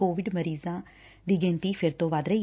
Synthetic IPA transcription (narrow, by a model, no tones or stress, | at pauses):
oːʋɪɖməɾiːzãː | d̪iːɡẽːnt̪iːpʰɪɾt̪õːʋaːd̪ɾəiː